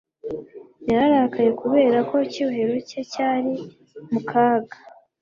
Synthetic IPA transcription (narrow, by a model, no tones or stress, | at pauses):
jaɾaɾaːkaje̞kuβe̞ːɾako̞ciuɦe̞ɾucecaːɾi | mukʰaːɡḁ